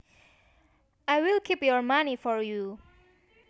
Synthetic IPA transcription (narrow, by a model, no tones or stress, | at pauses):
ajwilkʰipjɔɹmanifɔɹju